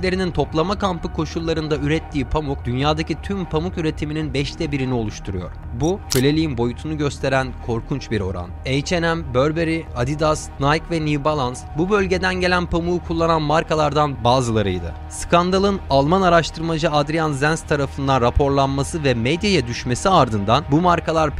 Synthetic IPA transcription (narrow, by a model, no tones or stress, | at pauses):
lʲeɾinint̪ʰo̞plˠamakʰampɯkʰo̞ʃulˠːaɾɯnd̪ayɾɛt̪ʰːiːpʰamuk̚d̪ynjaːd̪acʰit̪ʰympʰamukyɾe̞t̪ʰimininbɛʃt̪ʰɛbiɾinio̞lˠuʃt̪ʰuɾujo̞̰ɾ | bucʰølʲe̞lʲijinbo̞jut̪ʰunuɟø̞st̪ʰe̞ɾænkʰo̞ɾkʰunt͡ʃbiɾo̞̰ɾa̰nɛjt͡ʃʰe̞næmbøɾbeɾiad̪id̪asnajkvɛnibalˠansbubø̞lʲɟe̞d̪ænɟe̞lʲænpʰamuukʰulˠːananmaɾkʰalˠaɾd̪anbaːzɯlˠaɾɯ̰jd̪ɯ̰ | skʰand̪alˠɯnalˠmanaɾaʃt̪ʰɯɾmad͡ʒɯad̪ɾijanzænst̪ʰaɾafɯnd̪anɾapʰo̞ɾlˠanmasɯvɛmɛd̪jajad̪yʃme̞siaɾd̪ɯnd̪anbumaɾkʰalˠaɾ